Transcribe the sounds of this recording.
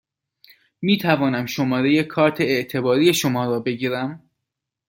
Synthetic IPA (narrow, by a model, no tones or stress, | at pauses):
miːt̪ʰævɒːnæmʃo̞mɒːɾe̞je̞kʰɒːɾt̪ʰeeʔt̪ʰe̞bɒːɾiːje̞ʃo̞mɒːɾɒːbe̞ɟiːɾæm